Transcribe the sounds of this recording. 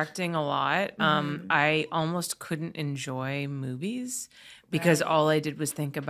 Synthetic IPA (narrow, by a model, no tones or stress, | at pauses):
ɛk̚tɪ̃ŋəlɔt̚ʌ̃maɪʔɔlˠmoʊskʰʊdⁿn̩tɨ̰̃nd͡ʒɔɪmʉviz̥ | b̥ɨkʰʌzɔlˠaɪdɨd̚wʌz̥θɪ̃ŋkɨb